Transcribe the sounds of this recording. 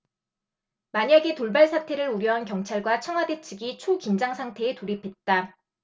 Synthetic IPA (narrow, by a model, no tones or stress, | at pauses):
maɲaɡe̞toɭbaɭsʰatʰe̞ɾɯɾuɾjʌɦankjʌŋt͡ɕʰaɭɡwat͡ɕʰʌŋɦwade̞t͡ɕʰɯɡit͡ɕʰokind͡ʑaŋsʰaŋtʰe̞ːtoɾipʰe̞t̚t͈a